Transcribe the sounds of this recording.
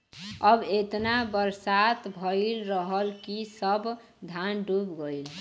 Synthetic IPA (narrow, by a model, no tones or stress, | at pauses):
əbet̪nabəɾsat̪bʱəjɪlɾəɦəlkisəb | d̪ʱanɖubɡəɪl